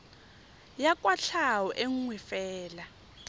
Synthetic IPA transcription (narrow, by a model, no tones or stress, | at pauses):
jakʼwaɬʰawɔʔeŋ̩ŋwɛfɛːla